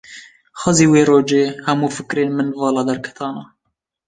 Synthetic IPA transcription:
xɑziːweːɾoːd͡ʒeːhɛmuːfɨkɾeːnmɨnvɑːlɑːd̪ɛɾkʰɛ̥t̪ʰɑːnɑ

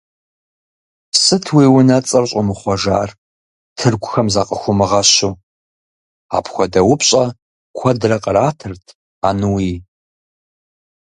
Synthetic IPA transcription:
psɨtʰwiːwʊnɐt͡sʼɐrɕʼʊmɨχʷɔʒa̰ːr | tʰɨrɡʷʰʼʊxɐmzaqʼəxʷʊmɨʁɐɕu | a̰ːpxʷɔdɐwʊpɕʼɐ | kʷʰɐdɨrɐqʼəraːtʰɨrtʰ | aːnuwiː

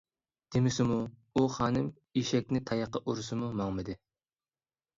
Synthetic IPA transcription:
d̪̥emɪsɪmuuχɑːnɨm | iʃɛk̚ʲnɪt̪ʰɑjɑqəʔuɾʊsɨmumɑŋmɨd̪ɨ

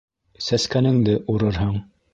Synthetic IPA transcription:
sæskænɘŋd̪ɘʔuɾɤɾɦɤɴ

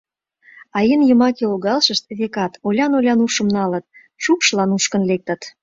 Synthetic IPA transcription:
ɑjenjəmɑkeolɣɑlʃəʃt̪βekɑt̪olʲɑnolʲɑnuʃə̆mnɑlət̪̚ | t͡ɕukʃlɑnuʃkənlek̚t̪ə̆t̪

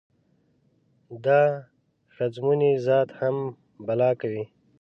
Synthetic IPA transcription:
d̪aː | xazmunizɑːt̪ham | bɐlɑːkawi

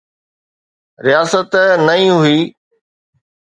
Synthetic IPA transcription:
ɾɪjaːsət̪nɐĩːɦuiː

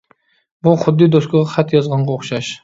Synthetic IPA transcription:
buχʊd̪ːɨd̪oskɨʁɑχæt̪ʰjɑzʁɑɴʁɑoχʃɑʃ

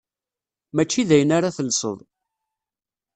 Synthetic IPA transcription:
mæt͡ʃːiðæjənaɾaθəlsˤə̰ðˤ

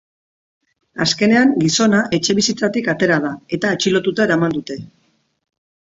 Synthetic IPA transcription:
aske̞ne̞aŋɡiso̞naʔe̞t͡ʃeβisit͡sat̪ikat̪e̞ɾað̞ae̞t̪aet͡ʃilo̞t̪ut̪ae̞ɾamand̪ut̪e̞

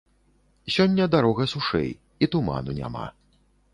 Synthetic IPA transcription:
sʲɔnʲːɐd̪aɾɔɣɐsuʂɛ̰j | it̪uma̰nunʲa̰ma̰

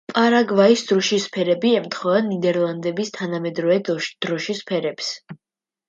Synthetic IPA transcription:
pʼaɾaɡvaisd̪̥ɾɔʃispʰɛɾɛbiɛmt̪ʰχɔanid̪ɛɾlˠand̪ɛbist̪ʰanamɛd̪ɾɔvɛd̪d̪̥ɾɔʃispʰɛɾɛps

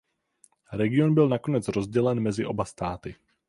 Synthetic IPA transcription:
ɾɛɡɪo̞nbɪlnako̞nɛt͡sɾo̞zɟɛlɛnmɛzɪʔo̞bast̪aːt̪ɪ

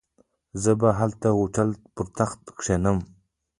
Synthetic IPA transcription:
zəbaɦalt̪awuʈ͡ʂʰalpʊɾt̪ʰaχt̪kʂenəm

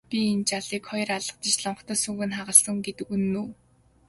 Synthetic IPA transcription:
pʲient͡ɕaɮiːkχɔj̆raɮə̆q̚t͡ɕit͡ɕɮɔɴχt̪ʰœːsuːɣɘ̆nχaʁə̆ɮsə̆ŋɡet̪ɘ̆kunːuː

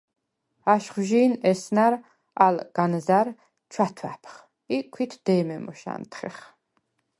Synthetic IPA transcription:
aʃχwʒiːnɛsnaɾ | alɡ̥anzaɾ | t͡ʃʰwat̪ʰwæpʰχ | ikʷʰwit̪ʰd̪̥ɛːmɛmɔʃa̰nt̪ʰχɛ̰χ

